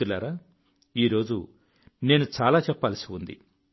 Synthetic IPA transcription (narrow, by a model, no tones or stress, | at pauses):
ulaːɾaː | iːɾo̞ːd͡ʒu | ne̞ːnut͡ʃaːlaːt͡ʃɛpːaːlsiund̪ḭ